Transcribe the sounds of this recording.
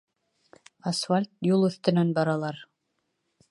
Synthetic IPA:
asfalʲt̪̚julˠɵ̆θt̪ɘ̆nænbɑɾɑlˠɑɾ

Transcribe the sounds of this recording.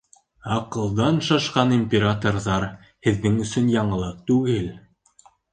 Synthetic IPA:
ɑqɤ̆lˠd̪ɑnʃɑʃqɑnimʲpʲeɾat̪orðɑɾ | hɘ̆ðːɘŋɵ̆sɵnjɑɴɤ̆lˠɤq̚t̪ʉɡɘl

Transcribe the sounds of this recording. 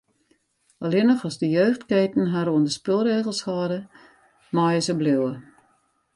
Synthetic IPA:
ɔlɪnəxɔzdəjøːxtkeːtn̩ɦaɾuəndəspɪlˠreːɣəl̩ˠshɑːdə | mɑjəsəblɪwə

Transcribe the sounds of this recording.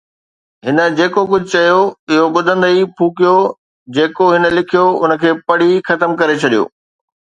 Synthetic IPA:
ɦɪnə̆d͡ʑeːkok̬ʊd͡ʑʱʊt͡ɕɐjoɪɦoɓʊd̪ʱə̃nd̪əipʰuːkijo | d͡ʑeːkoɦɪnə̆lɪkʰijoʊnə̆kʰeːpɐɽ̤ixɐt̪əmkɐɾet͡ɕʰɐɗijo̰ː

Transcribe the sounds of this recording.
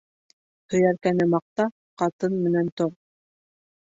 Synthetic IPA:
hɵ̆jæɾkænɘmɑq̚t̪ɑ | qɑt̪ɤnmɘ̆nænt̪oʁ

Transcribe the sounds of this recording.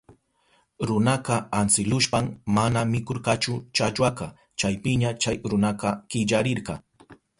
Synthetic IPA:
ɾʊnɑqɑansɪlʊʃpammanamɪkoɾqɑt͡ʃʊt͡ʃat͡ʃwaqɑ | t͡ʃajpɪɲat͡ʃajɾʊnɑqɑkɪʎaɾɪɾqɑ

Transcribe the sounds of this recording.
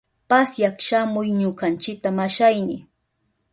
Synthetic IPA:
pasjakʃamʊjɲʊkant͡ʃɪk̚t̪amaʃajnɪ

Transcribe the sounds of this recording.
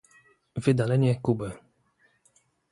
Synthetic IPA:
vɘd̪alɛɲɛkubɛ

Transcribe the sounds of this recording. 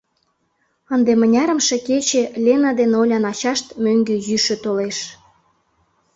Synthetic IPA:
ənd̪emənʲɑɾə̆mʃeket͡ɕelʲenɑd̪enolʲɑnɑt͡ɕɑʃt̪møŋɡøjyʃøt̪oleʃ

